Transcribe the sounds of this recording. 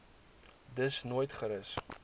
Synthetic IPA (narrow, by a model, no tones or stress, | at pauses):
dəsnuːjtχəɾəs